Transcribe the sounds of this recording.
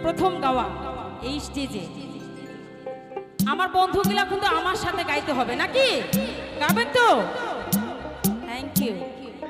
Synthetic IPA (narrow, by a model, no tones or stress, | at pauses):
pɾot̪ʰomɡaoaejsʈed͡ʑe | amaɾbond̪ʱuɡilakunt̪oamaɾʃat̪ʰeɡajt̪eɦɔbenakiɡabent̪o | t̪ʰɛŋkiu